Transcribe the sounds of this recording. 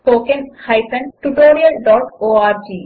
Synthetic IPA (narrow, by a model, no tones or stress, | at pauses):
pokenhajpʰenʈuʈoɾialɖɔʈoaɾd͡ʒi